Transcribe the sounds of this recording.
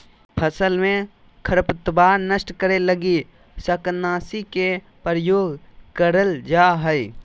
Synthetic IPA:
pʰəsəlmẽ | kʰəɾpət̪baːɾnəsʈkəɾeləɡi | səknaːsike | pɾəjoːɡkəɾəld͡ʒaːɦəi

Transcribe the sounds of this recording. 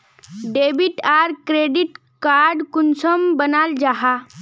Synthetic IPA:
ɖebiʈaɾkɾeɖiʈ | kaɾɖkunsəmbənald͡ʒaɦa

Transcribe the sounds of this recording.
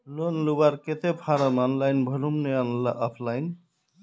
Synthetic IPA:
lonlubaɾket̪epʰaɾəmɔnlajnbʱəlumneanla̰ʔɔpʰlajn

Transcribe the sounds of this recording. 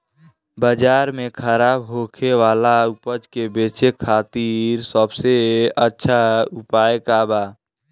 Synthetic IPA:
bəd͡ʒaɾmekʰəɾabɦokʰeʋalaupəd͡ʒkebet͡ʃekʰaːt̪iɾsəbseətːʃʰaupajekaba

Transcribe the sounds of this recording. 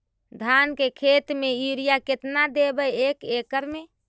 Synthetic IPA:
d̪ʱankekʰet̪meuɾijaket̪nad̪ebəekekəɾme

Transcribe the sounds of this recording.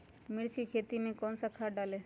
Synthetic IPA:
mɪɾt͡ʃikʰeːt̪imẽkɔːnsakʰaɖaːle

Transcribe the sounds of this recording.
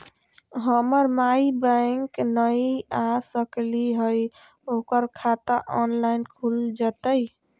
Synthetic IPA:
ɦəməɾmaibə̃ŋknəjasəkliɦəj | okəɾkʰat̪aʔɔnlainkʰuld͡ʒət̪əj

